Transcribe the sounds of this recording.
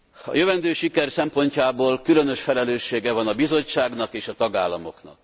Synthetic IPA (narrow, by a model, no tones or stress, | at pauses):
ɒ̰jøvɛnd̪øːʃikɛrsɛmpo̞ɲcaːboːlkylønø̞ʃfɛlɛløːʃːeːɡɛvɒnɒbizo̞t͡ʃːaːɡnɒkeːʃɒt̪ɒɡaːlːɒmo̞̰knɒ̰k̚